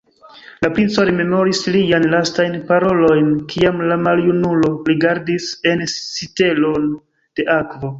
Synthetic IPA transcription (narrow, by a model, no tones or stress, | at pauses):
lapɾint͡so̞ɾeme̞mo̞ɾislijanlastajnpaɾo̞lo̞jnkiamlamaljunulo̞ɾiɡaɾdise̞nːite̞lo̞n | d̥e̞ʔakvo̞